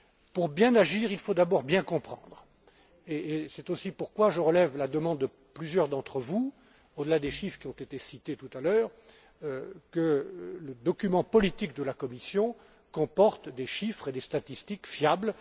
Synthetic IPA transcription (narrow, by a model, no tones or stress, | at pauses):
puʁbjɛ̃naʒiːʁilfod̪abɔʁbjɛ̃kɔ̃pχɑ̰̃d̪ʁ | eːsɛt̪osipuʁkwaʒəʁəlɛvlad̪əmɑ̃d̪ːə | plyzjœʁd̪ɑ̃t̪χəvu | od̪əlad̪eʃifχkʲiɔ̃t̪et̪esit̪et̪ut̪alœːʁ | kələd̪ɔkʲymɑ̃pɔlit̪ikd̪əlakɔmisjɔ̃ | kɔ̃pɔʁt̪d̪eʃifχed̪est̪at̪ist̪ikfjabl